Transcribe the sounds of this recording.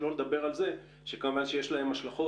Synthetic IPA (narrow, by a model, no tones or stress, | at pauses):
lo̞led̪abe̞ʁalze̞ | ʃekamuvanʃejeʃlae̞maʃlaχo̞